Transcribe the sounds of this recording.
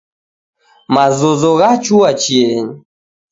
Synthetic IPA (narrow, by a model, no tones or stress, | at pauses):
mazozoɣat͡ʃʰuwat͡ɕʰieɲ